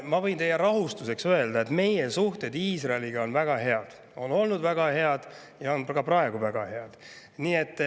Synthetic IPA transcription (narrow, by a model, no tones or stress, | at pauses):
mɑvɤ̞jnt̪e̞jːeɾɑɦust̪use̞ksøe̞ld̪ɑe̞t̪me̞jesuht̪e̞d̪iːsrɑeliɡ̥ɑo̞nvæɡ̥ɑɦe̞ɑd̪̥ | o̞no̞lnud̪væɡ̥ɑhe̞ɑd̪̥ | jɑo̞nkɑprɑe̞ɡ̥uvæɡ̥ɑhe̞ɑd̪̥ | niːe̞t̪ː